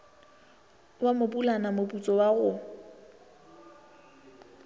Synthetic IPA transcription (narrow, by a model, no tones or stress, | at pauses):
wamʊpulanamoput͡sʼɔwaɣʊ